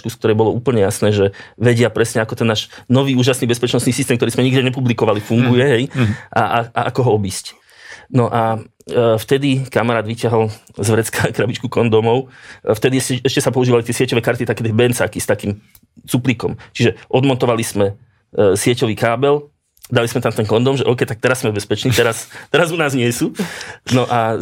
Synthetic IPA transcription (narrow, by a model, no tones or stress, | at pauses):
kusk̚t̪ɔɾɛjbɔlɔuːpl̩ɲɛjasnɛːʒɛʋɛɟɪapɾɛsɲɛakɔt̪ɛnːaːʃnɔʋiːuːʒasniːbɛspɛt͡ʃnɔst̪niːsist̪ɛːmkt̪ɔɾismɛɲiɡdɛɲɛpublikɔʋalifuŋɡujɛɦɛjʔaaa̰ʔakɔɦɔɔbiːsc | nɔʔa | ft̪ɛd̪ikamaɾaːd̪ʋicɪaɦɔlzʋɾɛt͡skakɾabit͡ʃkukɔnd̪ɔmɔʊft̪ɛd̪iɛɛɛʃcɛsapɔuʒiːʋalit̪ɪɛsɪɛcɔʋɛːkaɾt̪it̪akːɛd̪ibɛnt͡sakist̪akiːm | t͡supliːkɔmt͡ʃiʒɛʔɔd̪mɔnt̪ɔʋalismɛ | sɪɛcɔʋiːkaːbɛl | d̪alismɛt̪amt̪ɛnkɔnd̪ɔmʒɛʔɔːkɛjt̪ak̚t̪ɛɾasːmɛbɛspɛt͡ʃniːt̪ɛɾast̪ɛɾazunaːzɲɪɛsuːnɔʔa